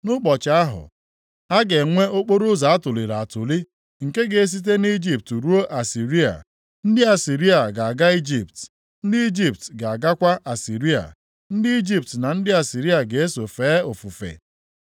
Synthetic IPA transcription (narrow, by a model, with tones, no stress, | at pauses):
nʊ˦k͡pɔ˨t͡ʃa˦ɦʊ̰˨ | a˦ɡe˨ŋʷe˦o˦k͡po˦ɾo˦za˨a˦tʊ˨li˨ɾa˨a˨tʊ˨li˦ | ŋ̩˨ke˦ɡe˨e˦s̬i˦t̬e˦ni˦d͡ʒi˨p̚tɾu˦o˦ʔa˨si˨ɾi˦a̰˨ | n̩˦dɪ˦a˨si˨ɾi˦a˨ɡa˨a˨ɡa˦i˦d͡ʒi˨p̚t | n̩˦dɪ˦i˦d͡ʒi˨p̚tɡa˨a˨ɡa˦kʷa˦ʔa˨si˨ɾi˦a̰˨ | n̩˦dɪ˦i˦d͡ʒi˨p̚tna˨n̩˦dɪ˦a˨si˨ɾi˦a˨ɡe˨e˦so˨feː˨˦o˨fu˨fḛ˨